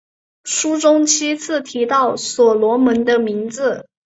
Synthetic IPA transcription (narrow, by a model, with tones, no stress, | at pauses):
ʂu˥ʈ͡ʂʊ˥ŋt͡ɕʰi˥t͡sʰɹ̩˥˩t̪ʰi˧˥t̪ɑ˥˩ʊswɔ˨˩lwɔ˧˥mə˧˥nd̪ə˧mi˧˥ŋd͡zɹ̩˧˩